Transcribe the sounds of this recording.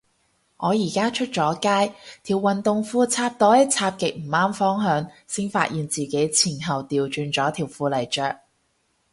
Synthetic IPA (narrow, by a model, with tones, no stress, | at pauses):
ŋɔː˨˧jiː˨˩kaː˥t͡ʃʰɵ˥t̚t͡sɔː˨˧˥kaː˥jt̪ʰiː˨˩wɐ˨nt̪ʊ˨ŋfuː˧t͡sʰaː˧p̚t̪ɔː˨˥jɪ˥t͡sʰaː˧p̚kɪ˨k̚m̩˨˩maː˥mfɔː˥ŋɦœː˨˧ŋsɪ˥ŋfa̰ː˧t̚jiː˨nt͡siː˨ke˨˥jt͡sʰiː˨˩nɦɐ˨wt̪iː˨˧wt͡ʃyː˧nt͡ʃɔː˨˥t̪ʰiː˨˩wfuː˧lɐ˨˩jt͡ʃœː˨k̚